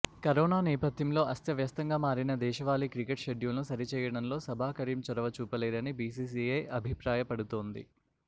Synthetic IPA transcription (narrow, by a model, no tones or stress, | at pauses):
kɐɾoːnaːnɛːpɐd̪jɐmlo̞ːʔɐst̪jɐʋjɐst̪ɐŋɡaːmaːɾinɐd̪ɛːʃɐʋaːliːkɾikeʈʃeɖjulɐnusɐɾit͡ʃɛːjɐɽɐmlo̞ːsɐbʱaːkɐɾiːmt͡ʃɔɾɐʋɐt͡ʃuːpɐleːɾɐnibiːs̬iːs̬iɐjʔɐbʱipɾaːjɐpɐɽut̪oːnd̪ḭ